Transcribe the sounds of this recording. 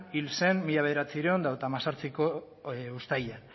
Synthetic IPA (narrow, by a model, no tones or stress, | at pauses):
ilse̞nmiʎaβe̞ðeɾat͡siɾeo̞nd̪awt̪amasaɾt͡siko̞ | ust̪ajan